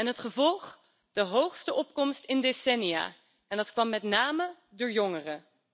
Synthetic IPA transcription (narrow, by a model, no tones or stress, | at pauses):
ɛnɦətχəvɔlˠχ | d̥əɦowχstəʔɔp̚kɔmstɪndesɛnia̰ː | ɛndɑtkʋɑmːɛtnaːmə | dʊːɹjɔŋərə